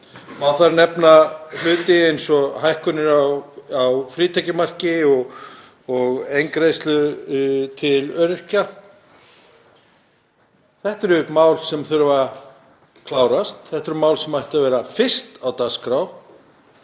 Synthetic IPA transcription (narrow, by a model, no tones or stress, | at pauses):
mawθaɾnɛpnalʏːt̪ɪejnsɔhajhkʏnɪɾaawfɾiːt̪ʰɛcɪmar̥cɪɔɣ | ɔɣejŋkɾejst̪lʏ | t̪ʰɪlœːɾɪr̥ca | θɛht̪ɛɾʏmaːwlsɛmθʏɾʏva | kʰlaːwɾast̪θɛht̪ɛɾʏmaːwlsɛmajht̪avɛːɾafɪr̥st̪awt̪askɾaw